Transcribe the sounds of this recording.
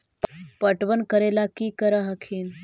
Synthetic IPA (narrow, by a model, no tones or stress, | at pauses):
ppəʈʋənkəɾelakiːkəɾəɦəkʰiːn